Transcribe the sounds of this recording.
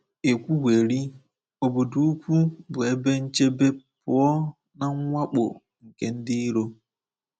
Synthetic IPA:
e˨kʷu˦ɡʷe˨ɾi˦ | o˨bʊ˨du˨˦u˦kʷu˦bʊ˨e˦be˦n̩˦t͡ʃe˦be˦pʊ˨˦ɔ˦ | na˨ŋ˦ŋʷa˦k͡po̰˨ | ŋ̩˨ke˦n̩˦dɪ˦i˦ɾo˦

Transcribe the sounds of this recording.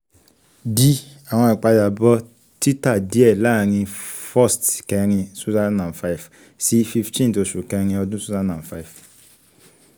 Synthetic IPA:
di˧ | a˨w̃ɔ̃˧i˨k͡pa˧da˨bɔ˦ | ti˦ta˦˨di˨˦ɛ˦˨la˦˨ɾ̃ĩ˧fɔ˦˨stkɛ˧˦ɾ̃ĩ˧su˦za˦nnã˨fa˦i˨f | si˨˦fi˧ftĩ˦n˨to˧ʃu˨kɛ˧˦ɾ̃ĩ˧ɔ˧dũ˦su˦za˦nã˨fa˦˨f

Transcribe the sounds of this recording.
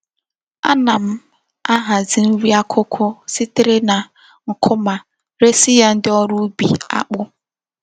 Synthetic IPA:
a̰˦na˨m̩˦ | a˦ɦa˨zɪ˨n̩˦ɾi˦a˦kʰʊ˦kʷʰʊ˦sɪ˦tɪ˨ɾɪ˦na˨ | ŋ̩˨kʰʊ˦ma˨ | ɾe˦si˦ja˦n̩˦dɪ˦ɔ˦ɾu˦bḭ˨a̰˦k͡pʊ˦

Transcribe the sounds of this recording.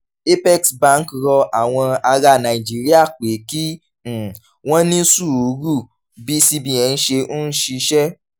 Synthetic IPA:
e˦pɛ˦˨ksbã˦n̩˦kɾɔ˧ʔa˨w̃ɔ̃˧a˧ɾa˧˨nã˨i˨d͡ʒi˦ɾi˦a˦˨k͡pe˨˦kĩ˦˨ | w̃ɔ̃˦nĩ˦su˦˨u˨˦ɾu˦˨ | bi˦si˦˧bĩ˦˨ɛ̃˨˧n̩˦ʃe˧o˦n̩˦ʃi˧ʃɛ˦

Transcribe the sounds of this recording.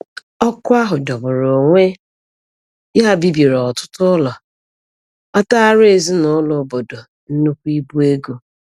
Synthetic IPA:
ɔ˦kʊ˦a˦ɦʊ˨dɔ˨bʊ˨ɾo˨ŋʷe˦ | ɪ˦ɦa˦bi˦bi˨ɾɔ˨tʊ̥˦tʊ˦lɔ˨ | ɔ˦ta˦a˦ɾe˨zi˦nʊ˦lʊ˨˦bo˨do˨ | n̩˦nu˦kʷu˦i˦bu˦e˦ɡo˨

